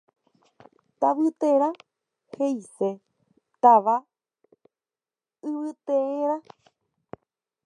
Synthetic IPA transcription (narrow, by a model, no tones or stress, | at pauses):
t̪aʋɨt̪eɾa | hejse | t̪aʋa | ɨʋɨt̪eeɾa